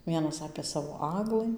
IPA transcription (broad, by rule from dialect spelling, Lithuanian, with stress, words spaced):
ˈʋʲiɛnɐs ɐpʲeː ˈsɑːʋoː ˈɑːɡlˠɨ